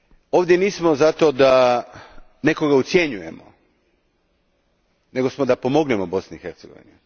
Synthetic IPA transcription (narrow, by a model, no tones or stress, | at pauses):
o̞ːʋd̪ʲje̞niːsmo̞zat̪o̞d̪a | ne̞ko̞ɡaut̪sje̞ɲuje̞mo̰ | ne̞ɡo̞smod̪apo̞mo̞ɡnemobo̞sniixeɾt̪seɡo̞̰ʋḭnu